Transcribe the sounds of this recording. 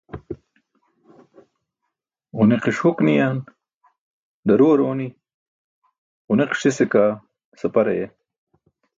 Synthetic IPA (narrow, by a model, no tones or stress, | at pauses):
uneqiʂuknijaːn | d̪ɐɾoːɾoːni | uneqʂisekaː | sɐpɐɾɐ̰je